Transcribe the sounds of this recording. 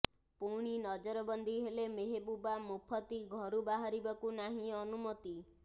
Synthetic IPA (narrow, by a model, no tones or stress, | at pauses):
puɽ̃inɔd͡ʒɔɾɔbɔnd̪ʱiɦelemeɦebubamupʰɔt̪iɡʱɔɾubaɦaɾibɔkunaɦĩɔnumɔt̪i